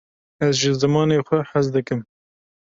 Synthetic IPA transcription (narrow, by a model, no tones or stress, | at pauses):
ɛzʒəzɨmɑːneːxʷɛħɐzd̪ɨkɨm